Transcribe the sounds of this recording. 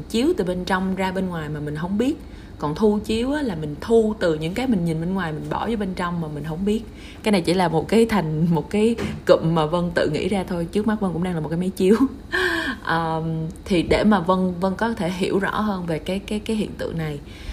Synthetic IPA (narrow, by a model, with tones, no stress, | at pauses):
t͡ɕi˨˦əwt̪ɨ˨˩ɓe˧nt͡ɕɔ˧wŋ͡mzaː˧ɓe˧nŋwaː˨˩jmaː˨˩mï˨˩ŋ̟ɦə˧wŋ͡mɓi˦˥ət̚ | kɔ˨˩nt̪ʰu˧t͡ɕi˨˦əwʔaː˨˦laː˨˩mï˨˩ŋ̟t̪ʰu˧t̪ɨ˨˩ɲɨ̰˧˥ŋkaː˨˦jmï˨˩ŋɲi˨˩nɓe˧nŋwaː˨˩jmï˨˩ŋ̟ɓɔ̰˧˩vəː˨˦jɓe˧nt͡ɕɔ˧wŋ͡mmaː˨˩mï˨˩ŋ̟ɦə˧wŋ͡mɓi˦˥ət̚ | kaː˨˦jna˨˩jt͡ɕḭ˧˩˦laː˨˩mo˨˩t̚kaː˨˦jt̪ʰa˨˩jŋ̟mo˨˩t̚kaː˨˦jkɨ̰˧˨mmaː˨˩və˧nt̪ɨ̰˧˨ŋḭ˧˥zaː˧t̪ʰo˧jt͡ɕɨ˦˥ək̚ma˦˥və˧nkʊ̰˧˥ŋ͡mɗaː˧ŋla˨˩m̚˨˩kːa˨˦jma˨˦jt͡ɕi˨˦əw | ʔəː˨˩t̪ʰi˨˩ɗe˧˩maː˨˩və˧nvə˧nkɔ˨˦t̪ʰe˧˩ɦḭ˧˩əwzɔ̰˧˥ɦəː˧nve˨˩kaː˨˦jkaː˨˦jkaː˨˦ɦḭ˧˨ənt̪ɨ̰˧˨əŋna˨˩j